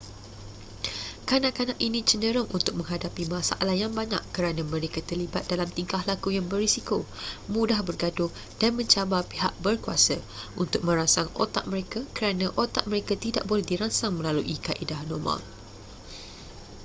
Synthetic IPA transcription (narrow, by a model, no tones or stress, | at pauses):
kanaʔkanãʔinĩt͡ʃənə̃ɾʊŋʔunt̪ʊk̚mə̃ŋɦadapimãsa̰ʔalahjaŋbaɲa̰ʔːəɾanãmə̃ɾekat̪ərlibat̪̚d̥alamt̪iŋkahlakujaŋbərisikomũdahbərɡadʊh | d̥anmə̃ɲt͡ʃabapiɦaʔ̚bərkuasəʔunt̪ʊk̚mə̃ɾasaŋo̰t̪a̰ʔ̚məɾekakəɾanãʔot̪aʔ̚mə̃ɾekat̪ida̰ʔ̚bolɛhdiɾaŋsaŋmə̃laluʔikaʔidahnɔrmã̰l